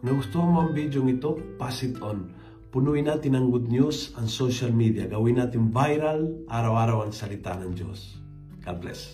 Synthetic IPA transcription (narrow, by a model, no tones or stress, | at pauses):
ŋɐɡust̪uamoŋbid͡ʒjoŋit̪opasit̪on | pʊnuinat̪ɪnaŋɡud̪̚njusɐŋsoʃalmid̪iaɡawinat̪invajɾalʔaɾawaɾawaŋsalit̪a̰nɐŋd͡ʒo̰s | kaplɛ̰s